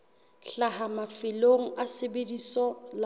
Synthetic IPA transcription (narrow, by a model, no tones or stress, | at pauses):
ɬahamafɪloŋ̩asɪbedisɔl